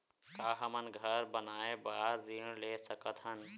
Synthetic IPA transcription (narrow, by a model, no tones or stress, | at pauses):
kaɦəmənɡʱəɾbənaebaɾːiɳ̃lesəkət̪ʰɦən